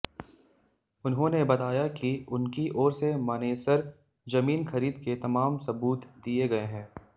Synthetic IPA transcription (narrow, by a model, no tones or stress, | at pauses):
ʊnɦõːnebɐt̪aːjakiʊnkiʔɔːɾsemaneːsəɾ | zɐmiːnxɐɾiːd̪ket̪ɐmaːmsɐbuːt̪d̪ieɡɐeɦɛ̃ː